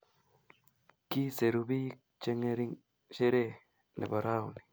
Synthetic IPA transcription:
ki˦se˨ɾuβi˦ | t͡ʃe˧ŋe˧ɾi˦ŋ | ʃe˦ɾe˦ | nʔḛ˨ba˨ɾa˦u˨ni̥˨

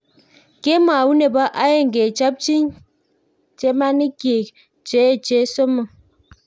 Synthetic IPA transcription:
ke˦ma˨wu˦ne˨ba˦ʔa˦je˦ŋ̩˨ɡe˨t͡ʃa˦p̚t͡ʃi˦n | t͡ʃe˦ma˦ni˦kje˨ | t͡ʃe˨˦e˨t͡ʃe˦so˦mə˨

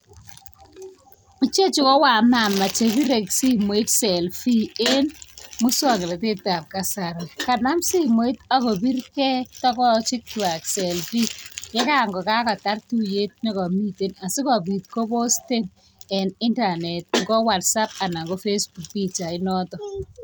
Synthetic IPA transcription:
mu˨t͡ʃe˦t͡ʃi˨kɔ˦wa˨ma˨mːa˨t͡ʃe˨bi˦ɾe˨ksi˦mo˨i˦tsɛ˨lfi˦e˦nmʊ˦swa˦˨ŋɪ˨la˨tɪ˦ta˨mka˦sa˨ɾɔ˨ka˨na˦msi˦mo˨i˦ta˦kɔ˨bi˦ɾkɛ˦tɔ˦kɔ˦t͡ʃɪ˦k̚twa˨ksɛ˨lfi˦jɛ˦ka˦˨ŋɡɔ˨ka˦ka˨ta˦rtu˦je˦t̚ne˦kɔ˨mi˦te˨na˨sɪ˦kɔ˨bi˨tko˦bo˦ste˦n | ɛ˨nɪ˦nta˨nɛ˨t̚ŋɡɔ˦wa˨tsa˦p̚a˨na˨ŋɡɔ˦fe˦sbu˨k̚bi˦t͡ʃa˨ɪ˦nɔ˦tɔ˨

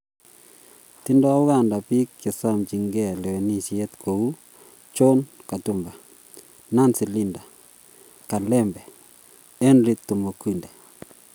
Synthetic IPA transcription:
ti˦ndɔ˦ʊ˦ɣa˦˨nda˨pi˦kːe˨sa˦mt͡ʃi˨ŋɡɛ˦˨lɛ˨we˨ni˦sje˦t̪kʰo˨u˦ | t͡ʃo˦nka˨tu˦˨mba˨ | na˦˨nsi˨li˦nda˨ | ka˨lɛ˦mbɛ˨ | ɛ˦nɾi˦t̪ːu˨mo˨kwi˦nde˨

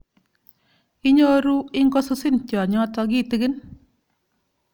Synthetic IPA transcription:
i˦ɲo˦ɾu˦ɪ˦ŋkɔ˦su˦sɪ˦nt͡ʃjɔ˨ɲɔ˦tɔ˧ɡi˦ti˦ɡɪ˦n

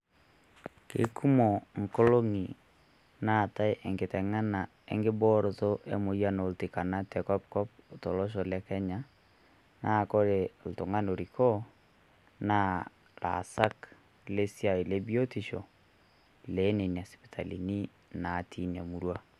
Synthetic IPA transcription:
kḛ˨˦kʰu˦mo˨ŋ̩˨ko˦lo˦ŋi˨ | na˦˨ta˦jʔe˨ŋɡɪ˨tɛ˨ŋa˦na˨ | ḛ˨˦ŋɡɪ˦bɔ˦ɾɔ˨tɔ˦ʔḛ˦mo˨ja˦no˨ltɪ˨ka˨na˦tɛ˨kɔ˦p̚kɔ˦p̚tɔ˨lɔ˦ʃ̬ɔ˨lɛ˦kɛ˦ɲa˨ | na˦˨ko˦ɾe˨ltʊ˨ŋa˦no˨ɾi˨kɔ˦ | na˦ | la̰˨sa˦k | le˦sja˨i˨le˦bi˦o˦ti˨ʃɔ̰˨ | le˨˦ne˨n˨a˨spi̥˨tʰa˨lḭ˨ni˦ | na˨tʰi˦na˨mu˨ɾwa˦

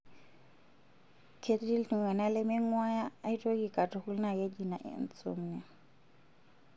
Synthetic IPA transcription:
kʰe˦tdi˦lti˨wɛ˨na˦lɪ˦mɪ˦ŋ̩˦ŋwa˦jaː˦i˦tʼo˦ki˨kʼa˨tʰʼʊ˨χu˦l̩˦na˨je˦di˨na˨ʔɪ̰˨n̩t͡sʼo̰m̩ː˦nɪ˨

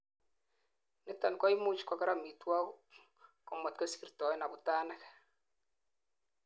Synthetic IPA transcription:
nɪ˦ta˨nkɔ˦i˦mu˦t͡ʃkɔ˨kɛ˦ɾa˨mi˨twa˦ | kɔ˨mɔ˨tko˦si˨rtɔ˨ɛ˦na˨bu˨taː˦nɛ˦k

